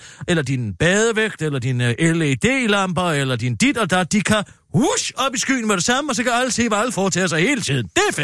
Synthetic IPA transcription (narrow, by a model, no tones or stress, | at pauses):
elɐd̥inb̥ɛːð̞ˠəʋeɡ̥̚d̥elɐd̥inʔeləid̥e̝̰ːilɑ̈m̰b̥ɐelɐd̥ind̥id̥ɒ̽d̥æd̥ikʰæ | huɕɒ̽b̥isɡ̥y̰ːnəmeɾ̥e̝sɑ̈məɒ̽s̬ɒ̽kʰæælsʰe̝̰ːʋælfɒːt͡sʰɛ̰ːsɑɪhe̝ːlət͡sʰiðˠn̩d̥e̝æ